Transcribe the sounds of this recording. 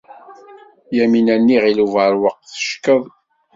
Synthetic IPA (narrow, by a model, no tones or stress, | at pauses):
jæminænːiʁiluvəɾwəqːθə̥ʃkəðˤ